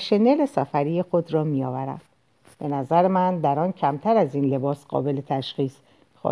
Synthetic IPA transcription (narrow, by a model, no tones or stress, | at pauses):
ʃe̞ne̞le̞sæfæɾijexo̞d̪rɒːmijɒːvæɾæ̰d̪̥ | b̥e̞næzæɾemænd̪æɾɒːncʰæmt̪ʰæɾæziːnle̞bɒːsɢɒ̰ːbe̞let̪ʰæʃxiːs | xɒ̰